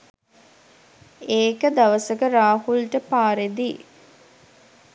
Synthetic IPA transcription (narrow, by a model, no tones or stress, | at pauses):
eːkəd̪ɐʋəsəkəɾaːhulʈəpaːɾed̪i